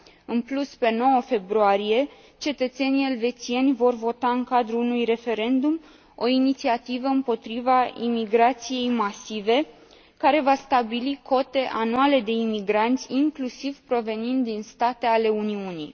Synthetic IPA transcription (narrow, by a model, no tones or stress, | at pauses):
ɨnpluspe̞no̞wəfe̞bɾuaɾije̞ | t͡ʃe̞t̪ət̪se̞nije̞lve̞t̪t͡ʃie̞nʲvo̞rvo̞t̪aɨŋkad̪ɾuunujre̞fe̞ɾe̞nd̪um | o̞init̪siat̪ivəɨmpo̞t̪ɾivaḭmiɡɾat̪sije̞jmasive̞ | kaɾe̞vast̪abilikʰo̞t̪e̞ʔanuale̞d̪e̞imiɡɾant̪sʲiŋklusiv̥pɾo̞ve̞nind̪d̪inst̪at̪e̞ale̞uniuni